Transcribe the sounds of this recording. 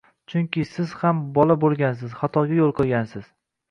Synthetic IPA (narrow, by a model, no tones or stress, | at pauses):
t͡ʃʰʊŋkʲɪsɪz̥hambɒlabolˠɡʲans̬ɪz̥χɒt̪ʰɒɡʲajolˠqʰɨɡʲansɪz̥